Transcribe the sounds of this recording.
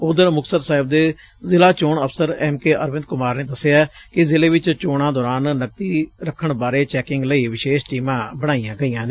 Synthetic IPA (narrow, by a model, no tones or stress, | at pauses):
ʊd̪əɾmʊksəɾsaːɦɪb̚d̪eː | zɪlaːt͡ʃoːɳəpʰsəɾɛːmkeːʔəɾʋɪ̃nd̪̚kʊmaːɾneːd̪əseaːkɪzɪleːʋɪt͡ʃt͡ʃoːɽãːd̪ɔːɾaːnːək̚t̪iːɾəkʰːəɳbaːɾeːt͡ʃɛːkɪŋɡləiːʋɪʃeːʃʈiːmãːbəɽ̃aːijãːɡəijãːneː